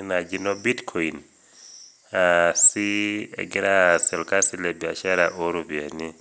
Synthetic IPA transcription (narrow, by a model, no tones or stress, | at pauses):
nad͡ʒinɔbitkʰɔin | asiɛ̰ɡɛɾasɛlkasilɛbiaʃaɾaʔoɾobia̰ni